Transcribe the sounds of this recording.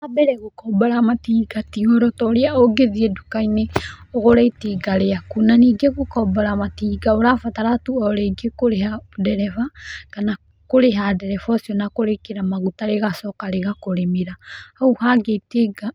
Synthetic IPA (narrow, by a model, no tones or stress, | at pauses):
abɛɾɛɣokɔbaɾamatiːɡatiɔɾɔtɔɾeaoɡeðiɛdukaineɔɣɔɾɛiteɡaɾeakunaniɡeɣokɔbaɾamatiɡaoɾafataɾatuɔɾɛiɡekoɾeɦadɛɾɛfakana | koɾeɦadɛɾɛfɔsiɔnakoɾekeɾamaɣutaɾeɣasɔkaɾeɣakoɾemiɾahauhaɡeiteɡa